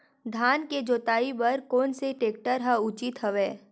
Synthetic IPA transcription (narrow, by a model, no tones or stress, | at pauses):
d̪ʱaːnked͡ʒoːt̪aːibɐɾkoːnseʈeːk̚ʈəɾɦəʊt͡ʃɪt̪ɦəʋeː